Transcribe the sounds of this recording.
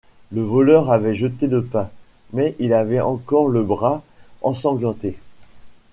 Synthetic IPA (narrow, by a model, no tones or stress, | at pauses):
ləvɔlœʁavɛʒət̪eləpɛ̃ | mɛʔilavɛʔɑ̃kɔʁləbʁaɑ̃sɑ̃ɡlɑ̃t̪e